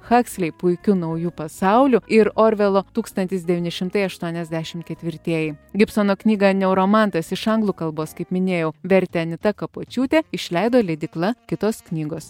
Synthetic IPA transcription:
xɑːksʲlʲɛɪpʊɪkʲʊnɐʊjuːpɐsɑˑʊlʲuɪɾoːɾʲʋʲɛlˠoːt̪uːkst̪ɐnʲt̪ʲɪs̬d̪ʲɛʋʲiːnʲɪʃʲɪmt̪ɐɪɐʃt̪uɔnʲɛzʲd̪ʲæʃʲɪmt̪̚kʲɛt̪ʲʋʲɪɾʲt̪ʲiɛjɛɪɡʲɪpsoːnoːknʲiːɡɐnʲɛʊɾoːmɑˑnt̪ɐsɪʃɐŋɡlˠuːkɐlˠboːskɐɪpmʲɪnʲeːjɛʊʋʲɛɾʲt̪ʲɛnʲɪt̪ɐkɐpoːt͡ʃʲuːt̪ʲɛɪʃʲlʲɛɪd̪oːlʲɛd̪ʲɪklˠɐkʲɪt̪oːsknʲiːɡoːs

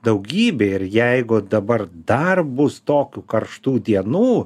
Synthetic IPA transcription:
d̪ɐʊɡʲiːbʲeːɪɾjɛɪɡʊd̪ɐbɐrd̪ɐrbʊst̪oːkʲukɐrʃt̪uːd̪ʲiɛnuː

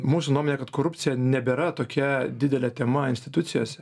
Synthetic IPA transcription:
muːsʊnuɔmoɔnʲeːkɐt̪koːɾʊp̪ʲsʲɪjɛnʲɛbʲeːɾɐt̪oːkʲɛd̪ʲɪd̪ʲɛlʲɛt̪ʲɛmɐɪnʲsʲt̪ʲɪt̪ʊt̪sʲɪjoːsʲɛ

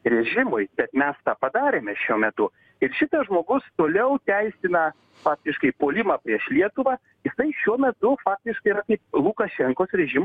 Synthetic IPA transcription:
rʲɛʒʲɪmʊɪbʲɛt̪mʲɛst̪ɑːpɐd̪ɑːɾʲeːmʲɛʃʲuɔmʲɛt̪ʊ | ɪɾʃʲɪt̪ɐʒmoːɡʊst̪oːlʲɛʊt̪ʲæɪsʲɪnɐ | fɑːk̚t̪ʲɪʃkɐɪpoːlʲɪmɐːpʲɾʲiɛʃlʲiɛt̪ʊʋɑː | jɪsɐɪʃʲuɔmʲɛt̪ʊfɑːk̚t̪ʲɪʃkɐɪɾɐkɐɪplˠukɐʃʲɛŋkoːsɾʲɛʒʲɪm

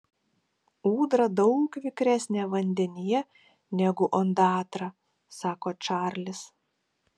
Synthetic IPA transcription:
uːd̪ɾɐd̪ɒʊkʋʲɪkɾʲæsʲnʲeːʋɐnʲd̪ʲɛnʲijɛ | nʲɛɡʊʔɔnd̪ɑːt̪ɾɑ | sɑːkoːt͡ʃɑːɾʲlʲɪs

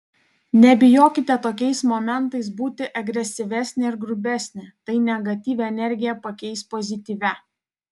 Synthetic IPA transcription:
nʲɛbʲɪjoːkʲɪt̪ʲɛt̪oːkʲɛɪsmoːmʲɛnˑt̪ɐɪsbuːt̪ʲɪʔɐɡɾʲɛsʲɪʋʲɛsʲnʲɪɪɾɡɾʊbʲɛsʲnʲɪt̪ɐɪnʲɛɡɐt̪ʲiːʋʲɛɛnʲɛɾʲɡʲɪjɛpɐkʲɛɪspozʲɪt̪ʲiːʋʲɛ

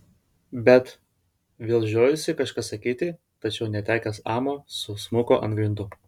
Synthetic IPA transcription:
bʲɛt̪ | ʋʲeːlˠʲʒʲoːjʊsʲɪkɐʃkɑsɐkʲiːt̪ʲɪ | t̪ɐt͡ʃʲɛʊnʲɛt̪ʲæːkʲɛsɑːmoːsʊsmʊkoʔɐ̰nt̪ɡɾʲɪnd̪ʊ

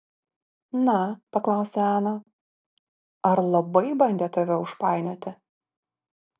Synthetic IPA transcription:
nɐpɐklˠɑˑʊsʲeæːnɐ | ɐɾlˠɐbɐɪbɐnʲd̪ʲeːt̪ɐʋʲɛʊʃpɑˑɪnʲoːt̪ʲɪ

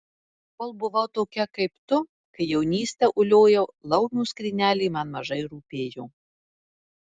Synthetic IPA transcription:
koːlˠbʊʋɐʊt̪oːkʲɛkɐɪpt̪ʊ | kɐɪjɛʊnʲiːsʲt̪ʲɛʔʊlʲoːjɛlˠɐʊnʲuːskɾʲɪnʲæːlʲɛːmɐnmɐʒɐɪɾuːpʲeːjoː

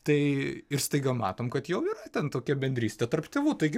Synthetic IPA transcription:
t̪ɐɪɪɾsʲt̪ɐɪɡɐmɑ̰ːt̪oːmkɐt̪jɛʊiːrɐt̪ʲɛnt̪oːkʲɛbʲɛnʲd̪ʲɾʲiːsʲt̪ʲɛt̪ɐrpt̪ʲeːʋuːt̪ɐɪɡʲɪ

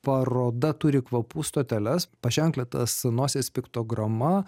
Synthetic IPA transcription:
pɐɾoːd̪ɐt̪ʊɾʲɪkʋɐpuːst̪oːt̪ʲɛlʲɛspɐʃʲɛŋklʲɛt̪ɐsnoːsʲeːspʲɪkt̪oːɡɾɐmɐ

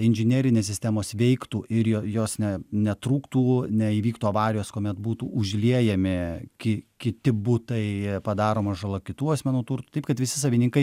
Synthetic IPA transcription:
ɪnʲʒʲɪnʲeːɾʲɪnʲeːssʲɪsʲt̪ʲæmoːsʋʲɛɪkt̪uːʔɪɾjojoːsnʲɛnʲɛt̪ɾuːkt̪uːnʲɛiːʋʲiːkt̪uːɐʋɑːɾʲɪjoːskoːmʲɛt̪buːt̪uːʔʊʒʲlʲiɛjɛmʲɪkʲɪkʲɪt̪ʲɪbʊt̪ɐɪpɐd̪ɑːɾoːmɐʒɐlˠoːkʲɪt̪uːɐsʲmʲɛnuːt̪urt̪u̥ːt̪ɐɪpkɐt̪ʋʲɪsʲɪs̬ɐʋʲɪnʲiŋkɐɪ

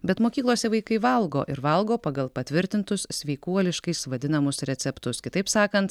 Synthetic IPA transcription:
bʲɛt̪moːkʲiːklˠoːsʲɛʋɐɪkɐɪʋɐlˠɡo̰ːʔɪɾʋɐlˠɡoːpɑɡɐlˠpɐt̪ʲʋʲɪɾʲt̪ʲɪnt̪ʊssʲʋʲɛɪkuɔlʲɪʃkɐɪsʋɐd̪ʲɪnɐmʊsɾʲɛt̪sʲɛpt̪ʊskʲɪt̪ɐɪpsɑːkɐnt̪

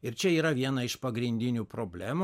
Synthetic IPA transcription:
ɪɾt͡ʃʲɛiːɾɐʋʲiɛnɐɪʃpɐɡɾʲɪnʲd̪ʲɪnʲuːpɾoːbʲlʲæːmu

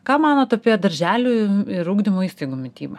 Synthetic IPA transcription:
kɑːmɑːnoːt̪ʊɐpʲiɛd̪ɐɾʲʒʲæːlʲuːɪɾuːɡd̪ʲɪmoːiːst̪ɐɪɡuːmʲɪt̪ʲiːbɐ

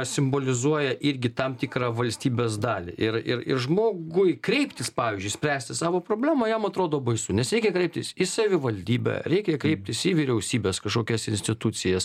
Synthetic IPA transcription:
sʲɪmboːlʲɪzuɔjɛʔɪɾʲɡʲɪt̪ɐmt̪ʲikɾɑːʋɐlʲsʲt̪ʲiːbʲeːs̬d̪ɑːlʲɪ̰ʔɪrɪ̰rɪ̰ɾʒmoːɡʊɪkɾʲɛɪpʲt̪ʲɪspɑːiːzʲd͡ʒʲʊɪsʲpʲɾʲæːsʲt̪ʲɪsɑːʋoːpɾoːbʲlʲæːmɐjɛmɐt̪ɾoːd̪oːbɐɪsʊnʲɛsɾʲɛɪkʲɛkɾʲɛɪp̚t̪ʲɪsɪsɐʋʲɪʋɐlʲd̪ʲiːbʲɛ̰ɾʲɛɪkʲɛkɾʲɛɪp̚ʲt̪ʲɪsɪʋʲiɾʲɛʊsʲiːbʲeːskɐʃkoːkʲɛsɪnʲsʲt̪ʲɪt̪ut͡sʲɪjɛs

